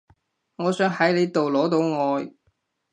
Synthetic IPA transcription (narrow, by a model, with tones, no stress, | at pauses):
ŋɔː˨˧sœː˨˥ŋɦɐ˨˥jle˨˧jt̪o˨wlɔː˨˥t̪o˨˧wŋɔː˨˧j